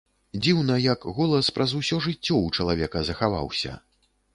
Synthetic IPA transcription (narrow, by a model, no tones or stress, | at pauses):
d͡zʲiwn̪ɐjɐkɣɔlˠɐspɾɐzusʲɔʐɨt͡sʲːɔwt͡ʂɐlˠavʲɛkɐzɐxava̰wsʲɐ̰